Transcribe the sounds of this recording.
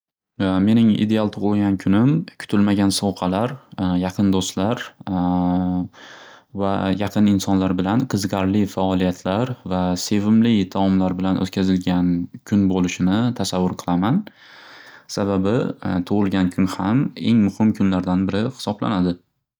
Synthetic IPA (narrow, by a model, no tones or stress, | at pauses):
me̞nɪŋḭd̪e̞alˠt̪ʰʊʁɨlˠɡʲankʰʊnɪmkʲʰʊ̥t̪ʰɪlmaɡʲansowqʰɑlaɾjɑqʰɨnd̪ost̪laɾ | va̰jɑqʰɨnɪnsɒnlaɾbɪlanqʰɨzqɑɾlɪfaɒlˠijat̪ʰlaɾvase̞vɪmlɪd̪ʰamɒmlaɾbɪlanʔɵ̰t̪̚kʲʰazɪlɡʲankʲʰʊnbolɪʃɪnɪt̪ʰasavːʊɾqʰɨlˠaman | sababɪt̪ʰʊʁɨlˠɡʲankʰʊnhame̞ŋmʊhɪmkʰʊnlaɾd̪anbɪɾɪhɪ̥sɒbla̰nad̪ɪ